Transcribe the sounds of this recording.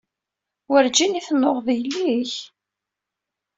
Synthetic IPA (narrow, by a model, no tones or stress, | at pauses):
wəɾd͡ʒiniθnːoʁðjəlːiç